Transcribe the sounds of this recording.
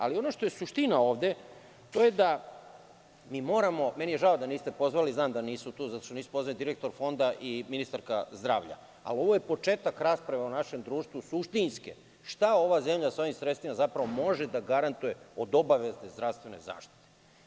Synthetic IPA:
a̰lio̞no̞ʃt̪ojesuʃt̪inao̞ːʋd̪e̞ | t̪o̞je̞d̪a | miːmo̞ːɾamo̞menije̞ʒaod̪aniːst̪e̞po̞zʋaliznaːmd̪aniːsut̪uːzat̪o̥ʃt̪oiːsu̥po̞zalid̪iɾek̚t̪o̞ɾfo̞nd̪aʔiminist̪aɾkazd̪ɾaːʋʎa̰ | a̰lio̞ʋojepo̞t͡ʃeːt̪akɾaːspɾaʋaunaʃe̞md̪ɾuːʃt̪ʋusuʃt̪inskḛ | ʃt̪ao̞ʋazemʎasoʋimsɾet̪st̪imazapɾaʋo̞mo̞ʒed̪aɡaɾant̪ujeod̪o̞baʋeznezd̪ɾafst̪ʋe̞nḛza̰ːʃt̪i̥t̪e

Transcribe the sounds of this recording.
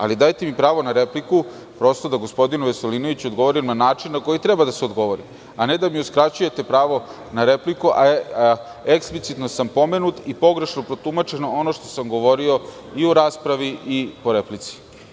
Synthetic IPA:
a̰lid̪ajt̪emipɾaːʋo̞naɾe̞pliku | pɾo̞st̪od̪aɡo̞spo̞d̪inuʋe̞se̞lino̞ʋit͡ɕo̞d̪ɡo̞ʋo̞ɾimnanaːt͡ʂinːako̞jit̪ɾe̞bad̪aseo̞d̪ɡo̞ʋo̞ɾḭ | ane̞d̪amiuskɾat͡ɕuje̞t̪e̞pɾaːʋo̞ | naɾe̞plikuʔa | eksplit̪sit̪no̞sampo̞me̞nut̪ipo̞ɡɾe̞ʃnopɾo̞t̪umat͡ʃe̞noono̞ʃt̪o̞̥samɡo̞ʋo̞ɾio̞ | iuɾaːspɾaʋiipo̞ɾe̞plit̪si̥

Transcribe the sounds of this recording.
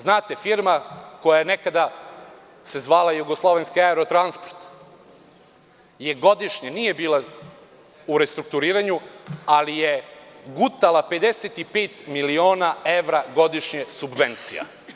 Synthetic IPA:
znaːt̪e̞fiɾmako̞jajene̞kad̪a | se̞zʋaːlajuɡo̞slˠo̞ʋenskiaeɾot̪ɾanspoɾt̪ | je̞ɡo̞d̪iʃɲeniːje̞biːla | uɾest̪ɾuk̚t̪uɾiːɾaɲualijeɡut̪alape̞d̪eset̪ipeːt̪milio̞ːnae̞ʋɾaɡo̞d̪iʃɲesubʋent̪sḭja̰

